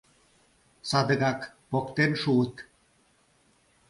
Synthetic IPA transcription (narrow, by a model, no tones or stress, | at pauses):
sad̪əɡak | pokt̪enʃut̪